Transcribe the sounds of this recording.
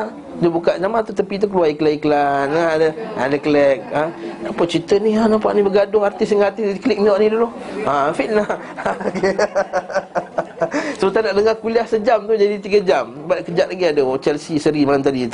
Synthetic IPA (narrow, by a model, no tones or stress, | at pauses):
dəbukaʔzamant̪ut̪əpit̪̬uk̬əluaikəlaikəlanŋaadəadəkəlɛk̚ənapət͡ʃit̪ənianapa̰ʔnibəɡadʊŋart̪ɪsəŋart̪ɪkəlɪk̚miɔʔnidulʊafina | səbət̪anaʔdəŋahkuliahsəd͡ʒamt̪ud͡ʒadit̪iɡəd͡ʒamsəbaʔkəd͡ʒaʔ̪laɡiadət͡ʃɛlsisəɾimaant̪adit̪